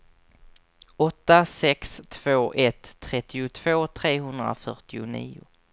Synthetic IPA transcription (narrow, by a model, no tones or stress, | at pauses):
ɔt̪ːasɛkst̪ʰv̥oːʔɛt̪ʰːɾɛt̪ːɪʊt̪ʰv̥oːt̪ʰɾeːɦɵnd̪ɾa̰fœʈɪʊnḭːʊ